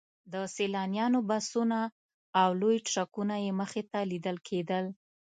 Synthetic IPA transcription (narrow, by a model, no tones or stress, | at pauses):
d̪əselɑnjɑnobasunaː | wlojʈʂakunajeməxet̪alid̪əlkʰed̪əl